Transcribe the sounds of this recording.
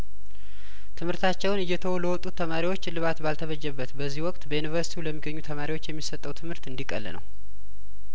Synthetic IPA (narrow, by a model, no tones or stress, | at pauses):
t̪ʰɨmhɨɾt̪ʰat͡ʃːɛwnɨjːɛt̪ʰəwɔləwɔt̪ʼːut̪ʰːəmaɾiwot͡ʃːlɨβat̪balt̪ʰəβəd͡ʒːɛbːət̪bəzːihwɔkʼt̪bəjunivəɾsi̥t̪iuləmːiɡːəɲːut̪ʰəmaɾiwot͡ʃːjɛmːisət̪ʼːəwt̪ʰɨmhɨɾt̪ɨnd̪ikʼə̰l̰ːnə̰w